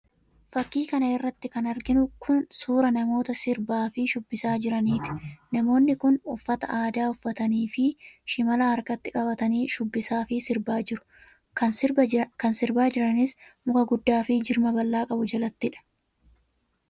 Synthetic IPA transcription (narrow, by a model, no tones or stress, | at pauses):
fɐkːiːkɐnɐɪrːɐt̪ːɪkɐnɐɾɡɪnʊkʰʊnsuːɾɐnɐmo̞ːt̪ɐsɪɾbaːfɪʃʊbːɪsaːd͡ʒɪɾɐniːt̪ɪ̥nɐmo̞ːnːɪkʊnʊfːɐt̪ɐʔaːd̪aːʊfːɐt̪ɐniːfɪʃɪmɐlaːɐɾkɐt̪ːɪkʼɐbɐt̪ɐniːʃʊbːɪsaːfɪsɪɾbaːd͡ʒɪɾʊ̥ | kɐnkɐnsɪɾbaːd͡ʒɪɾɐnɪsmʊkɐɡʊd̪ːaːfɪd͡ʒɪɾmɐbɐlːaːkʼɐbʊd͡ʒɐlɐt̪ːɪᶑɐ̥